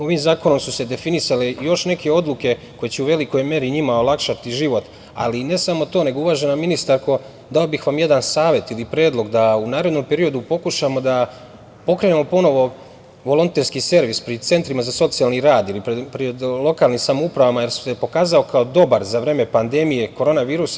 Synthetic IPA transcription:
o̞ʋimzaːko̞no̞msuse̞d̪e̞finisalejo̞ʃne̞ke̞o̞d̪luke̞ko̞jet͡ɕeuʋe̞liko̞jme̞ɾiɲimao̞lˠakʃat̪iʒiʋo̞t̪ | a̰line̞samo̞t̪o̞ːne̞ɡouʋaːʒe̞naminist̪aɾko̞ | d̪ao̞bixʋamje̞d̪ansaːʋje̞t̪ilipɾe̞ːd̪lˠo̞ɡd̪aunaːɾed̪no̞mpe̞ɾio̞d̪upo̞kuʃamo̞d̪a | po̞kɾeːnemo̞po̞no̞ʋo̞ | ʋo̞lˠo̞nt̪eɾskise̞ɾʋispɾit̪se̞nt̪ɾimazaso̞t̪sialniɾaːd̪ilipɾepɾid̪lˠo̞kaːlˠnimsamoupɾaʋamaje̞ɾsu̥sepo̞kaːzaokʰaod̪o̞baɾzaʋɾe̞ːmepand̪e̞mije̞ko̞ɾo̞ːnaʋiːɾusa

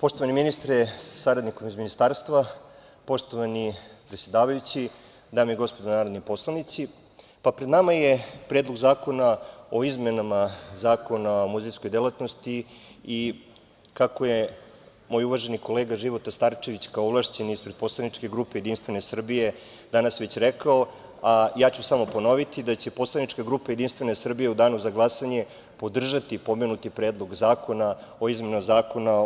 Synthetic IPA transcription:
po̞ʂt̪oʋaniminist̪ɾɛsḁsaɾad̪nikomizminist̪aːɾst̪ʋa | po̞ʂt̪o̞ʋanipɾet̪sʲjed̪aːʋajut͡ɕi | d̪aːmjiɡo̞spod̪onaːɾo̞d̪nojpo̞slˠanit̪si | papɾe̞d̪namaje̞pɾeːd̪lo̞ɡzaːko̞nao̞izme̞namazaːko̞naomuzisko̞jd̪elˠat̪no̞st̪ii | kako̞je | moːjuʋaʒeniko̞leːɡaʒiʋo̞t̪ast̪aɾt͡ʃe̞ʋit͡ɕkaooʋlˠaʃt͡ɕeniispɾed̪po̞slanit͡ʂke̞ɡɾuːpejed̪inst̪ʋe̞ne̞sr̩bije̞ | d̪anasʋe̞t͡ɕɾekao | ajaːt͡ɕusamo̞po̞no̞ʋit̪id̪at͡ɕe̞po̞slˠaniʈ͡ʂkaɡɾupajed̪inst̪vʋe̞nesr̩bijeud̪aːnuzaɡlˠasaɲe̞ | po̞d̪r̩ʒat̪ipo̞menut̪ipɾeːd̪lˠo̞ɡzaːko̞na | o̞izme̞numazaːko̞na

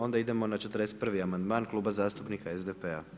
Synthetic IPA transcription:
o̞nd̪aid̪e̞mo̞nat͡ʃet̪əɾd̪eset̪̚prʋiamand̪maːnklˠuːbazaːst̪upnikaezd̪epea̰

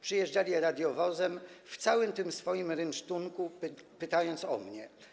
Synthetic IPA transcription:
pʂɘjɛʐd͡ʐalʲiɾad̪ʲjɔvɔzɛmft̪sawɘmt̪ɘmsfɔjimɾɛnt͡ʂt̪uŋkupɘt̪ajɔnt̪sɔ̰mɲɛ

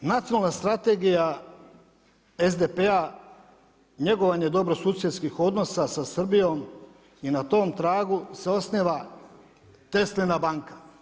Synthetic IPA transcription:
nat̪sijonalnast̪ɾat̪e̞ɡija | e̞zd̪epea | ɲe̞ɡo̞ʋaɲed̪o̞bɾo̞suːsjeskixo̞d̪no̞sasasr̩bijo̞m | inat̪o̞ːmt̪ɾaːɡuse̞o̞sniʋa | t̪e̞slinabaŋkḁ

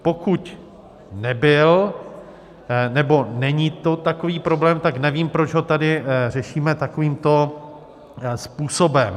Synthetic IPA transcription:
po̞kuc | nɛbɪl | nɛbo̞nɛɲit̪o̞t̪akoviːpɾo̞blɛːmt̪aknɛviːmpɾod͡ʒɦo̞t̪adɪr̝ɛʃiːmɛt̪akoviːmt̪o̞ | spuːsobɛm

